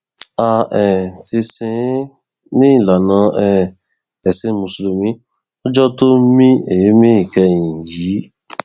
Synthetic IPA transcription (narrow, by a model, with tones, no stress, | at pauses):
a˧ɛ˨ti˧sĩ˧˦ | nĩ˦ĩ˦˨la˨nã˧˦ɛ˧ | ɛ˨sĩ˧mũ˨su˨lu˨mĩ˨˦ | ɔ˦d͡ʒɔ˦to˦mĩ˦e˨je˨˦mĩ˦i˨kɛ˧jĩ˨ji˨˦